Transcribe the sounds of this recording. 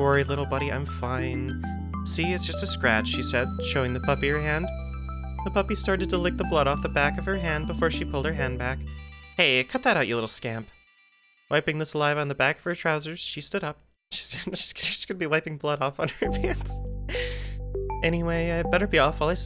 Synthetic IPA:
əɹilɪɾl̩ˠbʌɾiʔã̰ɪ̃ɱfãɪ̃n | siɨtsd̥ʒ̥ʌstɨskɹæ̰t͡ʃʃisɛd̥̚ʃoʊɪ̃ŋðɨpʰʌpiə˞ɦæ̃nd̥ | ðəpʰʌpistɑɹɾɨd̚tʰəlɪk̚ðəblʌɾɔfðəbækʌv̥ə˞ɦæ̃nbəfɔɹʃipʰʊlˠd̚ə˞ɦæ̃nbækheɪkʰʌt̪̚ðɨɾaʊt͡ʃʔə˞lɪɾl̩ˠskæ̃mp | wʔaɪpɪ̃ŋðɪslaɪṽn̩ðɨbækʌv̥ə˞tʰɹ̥aʊzə˞z̥ʃistʊɾʌp̚ | ʃi̥sʃi̥sskʰɨd̚biwaɪpɪ̃ŋblʌɾɔfn̩ə˞fæ̃nz̥ | ʔɛñiweɪaɪbɛɾə˞biɔfwɪlˠaɪs

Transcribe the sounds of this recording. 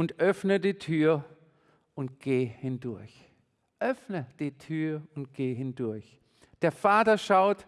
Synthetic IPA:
ʊntʔœfnədiːtʰyːɐ | ʔʊnt̚ɡ̥eːhɪndʊɐç | ʔœfnəd̥iːtʰyːɐʊnt̚ɡ̥eːɦɪndʊɐç | d̥eːɐfaːtɐʃaʊt

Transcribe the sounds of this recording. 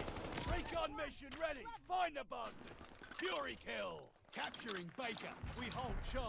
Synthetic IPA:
ɹeɪkə̃nmɪʃɨ̃nɹɛɾifãɪ̃nəbɑˑstɪtsfjʊɹikʰɪlˠ | kʰæp̚t͡ʃə˞ɪ̃ŋbeɪkə̰wiɦoʊlˠd̚ʃɔ

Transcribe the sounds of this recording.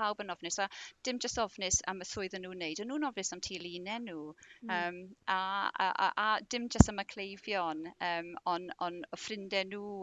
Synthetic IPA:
awbənɔvnɪsad̥ɪmd͡ʒəstɔvnɪsa̰məθʊɨðənuːnejdənːuːnɔvnɪsamtʰiːlˠiːnɛnuːəːmaə̰a̰ʔadɪmd͡ʒəstaməkʰlejvjɔnəːmɔnɔnɔfrɪndɛnuː

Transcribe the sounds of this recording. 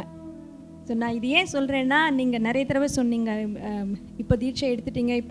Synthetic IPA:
soːnãːɪðɯjẽːsɔlɾẽːnːaːniːŋɡɐnɪɾɐjɐt̪ɪɾɐʋɛsɔnːiːŋɡɐ | ɪpːoːd̪iːɾt͡ʃɐɛɽɯt̪ːɯʈːiːŋɡɐɪpː

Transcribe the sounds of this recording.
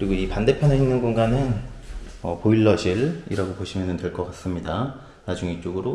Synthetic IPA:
kɯɾiɡoipande̞pʰjʌnɯɭɦinnɯnɡoŋɡanɯn | ʌpoiɭːʌɕʰiɭḭɾaɡopoɕʰimjʌnɯntwe̞ɭk͈ʌk͈as͈ɯmɲida | nad͡ʑuŋit͡ɕ͈oɡɯɾo

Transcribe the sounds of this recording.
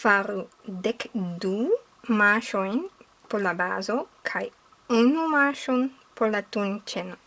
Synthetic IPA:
faɾu | d̪ekd̪u | maʃojn | polaba̰zokʰaj | unumaʃon | polat̪unt͡ʃena

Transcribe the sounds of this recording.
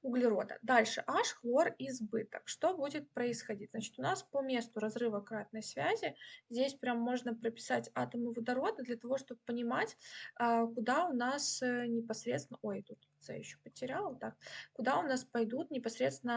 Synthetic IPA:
ʊɡlʲɪɾo̞d̪ə̰d̪alʲʂɨʔaʂxvˠo̞rɪzbɨt̪əkʂt̪o̞budʲɪt̪̚pɾəɪsxɐdʲit̚ʲznat͡ɕɪ̥t̪ʊnaspomʲe̞st̪ʊɾɐzɾɨvəkɾat̪̚nəjsvʲæzʲɪzʲdʲesʲpɾʲamːo̞ʐnəpɾəpʲɪ̥satʲat̪əmɨvəd̪ɐɾo̞d̪ɨd̪lʲɐt̪ɐvo̞ʂt̪o̞b̚əpːənʲɪmatʲː | kʊd̪aʊnasənʲɪpɐsɾʲet̪sɪnəojt̪ut̪ʲt̪sɛ̰ɪɕːo̥pətʲɪɾʲalˠət̪ak̚kʊd̪aʊnaspɐjd̪ut̪nʲɪpɐsɾʲe̞t̪st̪ʲɪnə

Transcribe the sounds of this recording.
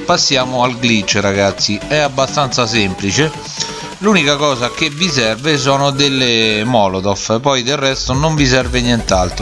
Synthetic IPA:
pasːjaːmʊalɡlit͡ʃːɾaɡat̪sːiɛabːast̪ant̪sasɛmplit͡ʃɪ | luːnikakɔːzakevisɛrves̬ɔːnʊd̪elːɪmɔːlot̪ɔfpɔjd̪erːɛst̪onoɱvisɛrvɪnjɛnt̪alt̪ɾʊ

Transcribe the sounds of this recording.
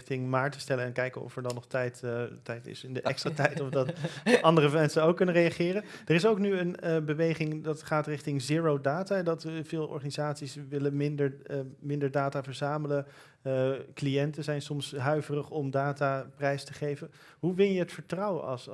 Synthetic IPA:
tɪŋmaːɹtə̥stɛləɛnkɛjkənɔ̰fɛɹdɑnːɔχtɛjttɛjtɪ̰sɪndəʔɛkstratɛjtɔfdɑtɑndərəmɛnsənowkːɵnərejaχɪːrəd̥ərɪsowknyənəbəʋejχɪŋdɑtχaːtrɪχtɪŋziːɹowdaːtadɑtvɪːlˠʔɔ̰ɹχanizaːtsisʋɪlənmɪndəmɪndəɹdaːtaːvəɹzaːmələ | klijɛntəzɛjnsɔmsɦœɥvərəχɔmdaːtaprɛjstəχejvən | ɦuʋɪnjəɦətfəɹtrʌwəɑ̰s

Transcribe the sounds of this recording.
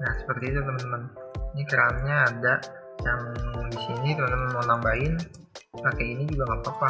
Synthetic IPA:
nahsə̥pərt̪iːt̪ut̪əmənt̪əməninikəɾanɲaːdaʔ | jaŋdisinit̪əmənt̪əmənməlaŋbaɪn | pakainid͡ʒuɡaŋapapa

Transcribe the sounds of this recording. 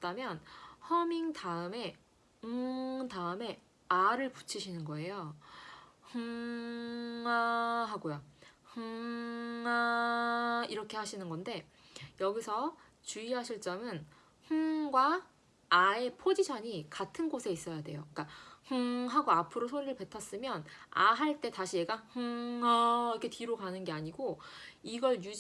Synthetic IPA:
d̥amjʌnhʌmiŋtaɯme̞ | ɯŋtaɯme̞ | aɾɯɭpu̥t͡ɕʰiɕʰinɯnɡʌe̞jo | hɯŋ | aɦaɡojohɯŋ | a | iɾʌkʰe̞ɦaɕʰinɯnɡʌnde̞ | jʌɡisʰʌ | t͡ɕuiɦaɕʰiɭt͡ɕ͈ʌmɯn | hɯŋɡwaː | e̞pʰod͡ʑiɕʰʌɲikatʰɯnɡosʰe̞is͈ʌjadwe̞joik͈ahɯŋɦaɡoapʰɯɾosʰoɾiɾɯɭpe̞tʰas͈ɯmjʌna̰ɦaɭt͈e̞taɕʰie̞ɡahɯŋaikʰe̞tiɾoɡanɯnɡe̞aɲiɡoiɡʌɭju

